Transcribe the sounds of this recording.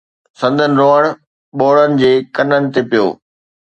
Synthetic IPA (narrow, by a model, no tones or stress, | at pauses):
sɐ̃nd̪ʱənɪ̆ɾoːəɽ̃ | ɓoːɭənɪ̆d͡ʑeːkɐnənɪ̆t̪epijo̰ː